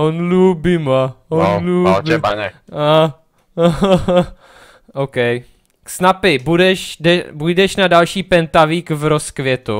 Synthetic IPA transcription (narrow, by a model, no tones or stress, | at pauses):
onluːbɪmaonluːbɪɛbanɛa | owkɛj | ksnapɪbudɛʃdɛbujdɛʃnadalʃiːpɛnt̪aviːkvɾoskvjɛt̪u